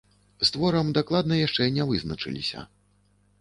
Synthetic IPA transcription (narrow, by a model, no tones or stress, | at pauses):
st̪vɔɾɐmd̪aklˠad̪nɐjaʂt͡ʂɛnʲɛvɨznɐt͡ʂɨ̰lʲḭsʲɐ̰